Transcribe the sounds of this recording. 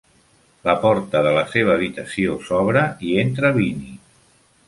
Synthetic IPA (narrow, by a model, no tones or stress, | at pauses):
ləpɔɾt̪əðələseβ̞əːβit̪əsiosɔβɾəient̪ɾəβini